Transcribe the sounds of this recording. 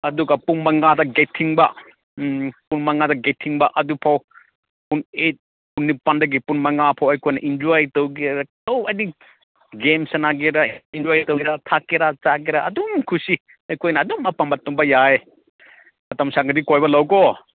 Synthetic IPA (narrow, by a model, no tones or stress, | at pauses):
ɐduɡɐpunmɐŋadɐɡetʰːiŋbɐ | punmɐŋadɐɡetʰiŋbɐʔɐdupʰaw | punet̚ | punːipandɐɡipunmɐŋapʰawɐjkojnɐʔind͡ʒojtowɡiɾatowɐjni | ɡemsɐnaɡiɾaind͡ʒɔjtɐwiɾatʰakːiɾat͡ʃaɡiɾaɐdumkʰusi | ɐjkojnɐːdumɐpambɐtːɔmbɐjae | mɐtɐmsaɡɐdikojbɐlɐwkɔ